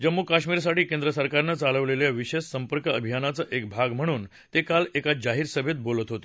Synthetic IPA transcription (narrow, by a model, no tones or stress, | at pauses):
d͡ʑəmːukaɕmiːɾs̬aʈiːkend̪ɾəsəɾkaɾnət͡saləʋleljaʋiɕessəmpəɾkəəbʱijanat͡səʔek̚bʱaɡm̤əɽ̃uːn | t̪ekalekad͡ʑaɦiːɾsəbʱjet̪̚bolət̪ɦot̪o̥